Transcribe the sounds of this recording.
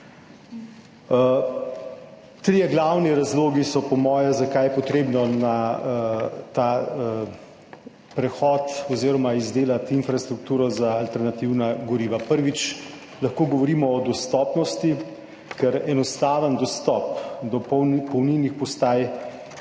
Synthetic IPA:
t̪ɾijɛɡlawniɾazloːɡisɔpɔmɔːjɛzakajɛpɔt̪ɾeːbnɔna | t̪a | pɾɛxɔt̪ɔziːɾɔmaizd̪eːlat̪infɾast̪ɾuk̚t̪uːɾɔzaːlt̪ɛɾnat̪iwnaɡɔɾiːʋapəɾʋit͡ʃ | laxkoːɡɔʋɔɾiːmɔːd̪ɔst̪ɔpnɔst̪i | kɛɾɛnɔst̪aːʋənd̪ɔst̪ɔpd̪ɔppɔwninixpɔst̪aːj

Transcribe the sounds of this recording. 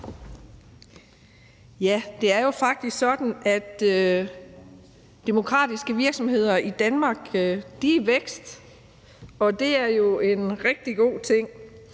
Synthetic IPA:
jæd̥e̝æɐjo̝fɑ̈ɡ̥̚d̥isɡ̥sɒ̽d̥n̩æd̥ | emo̝kʰʁɑ̰̈ːd̥isɡ̥əʋiɐɡ̥sɒ̽mhe̝ð̞̰ˠɐid̥ænmɑ̈ːɡ̥d̥iʋeɡ̥sd̥ | ɒ̽d̥e̝æɐjo̝e̝nʁɛɡ̥̚d̥iɡ̥o̝̰ːt͡sʰe̝ŋ̰

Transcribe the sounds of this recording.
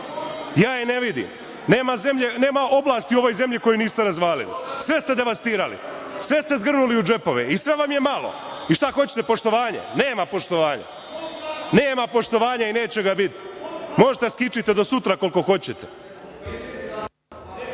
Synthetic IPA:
jaːjene̞ʋid̪ḭm | neːmazemʎene̞ːmao̞blˠaːst̪iuo̞ʋo̞jze̞mʎiko̞juniːst̪eɾazʋaːlḭlḭsʋe̞st̪e̞d̪e̞ʋast̪iːɾalḭ | sʋe̞st̪e̞zɡr̩nuliud͡ʒe̞po̞ʋeisʋe̞ʋamjemalo̰ | iʃt̪axo̞t͡ɕet̪epo̞ʃt̪o̞ʋaːɲḛneːmapo̞ʃt̪o̞ʋaːɲa̰ | neːmapo̞ʃt̪o̞ʋaːɲaine̞ːt͡ɕeɡabit̪mo̞ʒet̪eskit͡ʃit̪ed̪o̞sut̪ɾako̞lko̞xo̞t͡ɕet̪e

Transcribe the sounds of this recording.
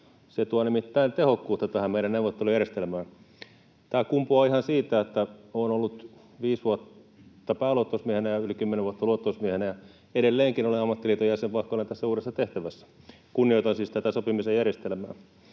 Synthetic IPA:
set̪uɑnimit̪ːæint̪ehokːuːt̪ːɑt̪æhæmeiɾænneuʋot̪ːelujærjest̪elmæː | t̪æːkumpuɑihɑnsiːt̪æet̪ːæoːnolːut̪ | ʋiːsʋuot̪ːɑpæːluot̪ːousmiehenæjɑylikymːeneʋuot̪ːɑluot̪ːˑousmiehenæjɑ | eɾelːeːŋkinoliɑmːɑt̪ːilit̪ojæsempɑhkːolːent̪æsːæuːɾesːɑt̪eht̪æʋæsːæ̥ | kunːijoit̪ɑnsiːst̪æt̪æsopimisejjærjest̪elmæː

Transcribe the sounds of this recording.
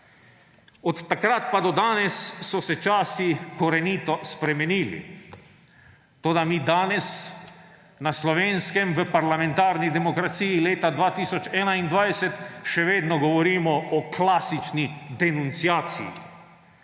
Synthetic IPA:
ɔt̪ːakɾat̪pad̪ɔd̪aːnɛsːɔsɛt͡ʃaːsikɔɾɛniːt̪ɔspɾɛmɛniːlḭ | t̪oːd̪amiːd̪aːnɛs | naslɔʋeːnskɛmʋəpaɾlamɛnt̪aːɾnid̪ɛmɔkɾat̪sijileːt̪ad̪ʋaːt̪iːsɔt͡ʃɛːnaind̪ʋajsɛt̪ʃɛʋeːd̪nɔɡɔʋɔɾiːmɔɔklaːsit͡ʃnid̪ɛnunt̪siaːt̪sḭjḭ

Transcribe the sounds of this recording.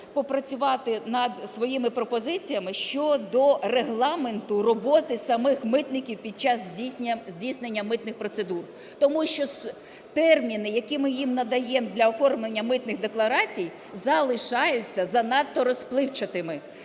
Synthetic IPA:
pɔpɾɐt͡sʲʊʋɑt̪ɪnɐd̪sʋɔjimɪpɾɔpɔzɪt͡sʲijɐmɪʃt͡ʃɔd̪ɔreɦlˠɑme̞nt̪ʊrɔbɔt̪ɪsɐmɪxmɪt̪nɪkʲiwpʲid̪̚t͡ʃɑzzʲinʲɐzʲdʲijsnenʲːɐmɪt̪nɪxpɾɔt̪se̞d̪ur | t̪ɔmuʃt͡ʃɔs | t̪ɛrmʲinɪjɐkimɪjimnɐd̪ɐjɛmd̪lʲɐɔfɔrmlˠenʲːɐmɪt̪nɪxd̪eklˠɐɾɑt͡sʲij | zɐlˠɪʃɑjʊt͡sʲːɐzɐnɑt̪ːɔɾɔsplˠɪwt͡ʃɐt̪ɪmɪ

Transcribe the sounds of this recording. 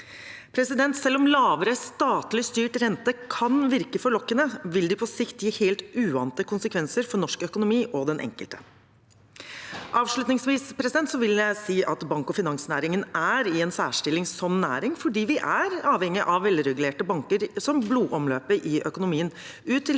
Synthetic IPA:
pʰɾɛsɪd̪ɛnt̪sɛlːɔmlɑːʋəɾəst̪ɑːt̪lɪst̪yːʈɾɛnt̪əkʰɑnʋɪɾkəfɔɭɔkːənəʋɪld̪ɪpʰɔsɪçt̪jiːheːlt̪ʉːɑ̰ːnt̪əkʰʊnsəkʰʋɛnsəɾfɔɳɔʂkœkʊnʊmiːʔɔd̪ɛnʔɛ̰ŋkəlt̪ə̥ | ʔɑːʋʂɭʉt̪nɪŋsʋiːspʰɾɛsɪd̪ɛnt̪sɔʋɪljæɪsiːʔɑt̪bɑŋkɔfɪnɑŋsnæːɾɪŋənæɾɪɛnsæːʂʈɪlɪŋsɔmnæ̰ːɾɪŋfɔɖiːʋɪʔæɾɑːʋɛŋːɪʔɑʋʋɛlɾɛɡʉleːʈəbɑŋkəɾsɔmbluːʔɔmløːpəɾʔɪʔœkʊnʊmiːən | ʉːt̪ʰːɪl

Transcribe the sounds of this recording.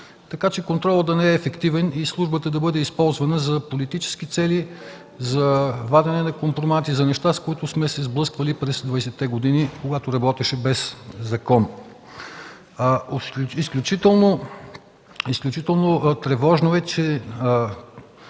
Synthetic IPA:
t̪ɐkat͡ʃɛkont̪ɾɔlˠəd̪ɐnɛɛːfɛkt̪ivɛnislˠuʒbət̪əd̪ɐbɤd̪ɛispɔlˠzvɐnəzɐpolit̪it͡ʃɛ̥skit̪sɛli | zɐvad̪ɛnɛnɐkompɾomat̪izɐnɛʃt̪askoit̪ʊsmɛsɛzblˠɤskvəlipɾɛsd̪vɐjsɛt̪ːɛɡod̪inikoɡat̪oɾɐbɔt̪ɛʃɛbɛszɐkɔn | isklʲut͡ʃit̪ɛlˠno | isklʲut͡ʃit̪ɛlˠnot̪ɾɛvɔʒnoɛt͡ʃɛ

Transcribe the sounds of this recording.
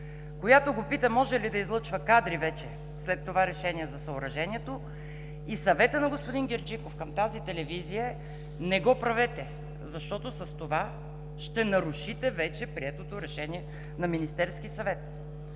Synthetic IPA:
kojat̪oɡopit̪ɐmɔʒɛlid̪ɐizlˠɤt͡ʃvəkad̪ɾivɛt͡ʃɛ | slɛt̪ːovaɾɛʃɛniɛzɐsɐoɾɐʒɛniɛt̪o | isɐvɛt̪ənɐɡospod̪inɡʲɛɾd͡ʒikofkɐmt̪azit̪ɛlɛvizijə | nɛɡɔpɾɐvɛt̪ɛ | zɐʃt̪ɔt̪osɐst̪ova | ʃt̪ɛnɐɾuʃit̪ɛvɛt͡ʃɛpɾiɛt̪ot̪oɾɛʃɛnʲiɛ | nɐminist̪ɛɾskisɐvɛt̪

